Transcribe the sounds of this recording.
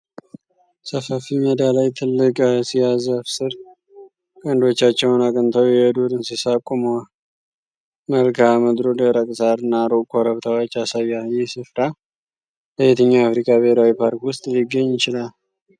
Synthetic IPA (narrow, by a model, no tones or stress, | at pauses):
səfəfiməd̪alajt̪ʰɨlːɨkʼsijazafsɨɾ | kʼənd̪o̞t͡ʃːat͡ʃːɛwnakʼənt̪ʰəwjɛd̪uɾɨnsisakʼːumə | məlkʰaməd̪ɾod̪əɾəkʼsaɾɨnːaɾokʰʼoɾəβt̪ʰawot͡ʃːasaβjajɪhsɨfɾa | bəjet̪ʰəɲːaːfɾikʼabehɾawipʰaɾkwʊst̪ʼlɪɡːəɲːɪt͡ʃɪlal